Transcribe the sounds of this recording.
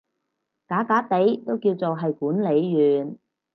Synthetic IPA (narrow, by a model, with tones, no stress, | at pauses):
kaː˨˥kaː˨˥t̪e˨˥jt̪o˥wkiː˧wt͡so˨wɦɐ˨jkuː˨˥nle˨˧jːyː˨n